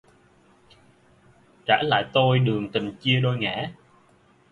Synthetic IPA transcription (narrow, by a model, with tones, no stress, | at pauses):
t͡ɕaː˧˥la̰ː˧˨jt̪o˧jɗɨ˨˩əŋt̪ï˨˩ŋt͡ɕi˧əɗo˧jŋɛ̰ː˧˥